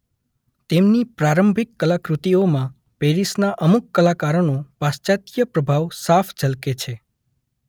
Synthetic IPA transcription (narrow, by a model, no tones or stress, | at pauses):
t̪emnipɾaɾəmbʱikːəlakɾut̪iomã | peɾisnaʔəmukːəlakaɾənopast͡ʃat̪jəpɾəbʱaʋsafʰd͡ʒəlket͡ʃʰe